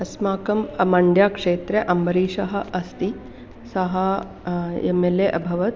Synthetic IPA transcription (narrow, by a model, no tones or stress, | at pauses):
ɐsmaːkɐmɐmɐɳɖjaːkʂeːt̪ɾeʔɐmbɐɾiːʂɐɦɐ̆ʔɐst̪i | sɐɦɐ | emeleʔɐbʱɐʋɐt̪̚